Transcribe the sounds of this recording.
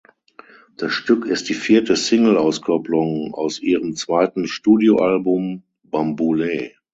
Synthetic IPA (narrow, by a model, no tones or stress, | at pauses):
d̥asʃtʏkɪst̚d̥iːfiːɐtəsɪŋl̩aʊskʰɔplʊŋa̰ʊsʔiːʁəmt͡sv̥aɪtn̩ʃtuːdjoʔalbʊm | bambulɛː